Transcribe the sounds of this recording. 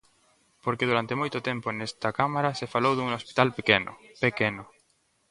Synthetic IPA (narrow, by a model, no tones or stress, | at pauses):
poɾkeðuɾant̪emojt̪ʊt̪emponest̪ɐkamaɾɐsefalowðuŋospi̥t̪alpekenʊ̰pekenʊ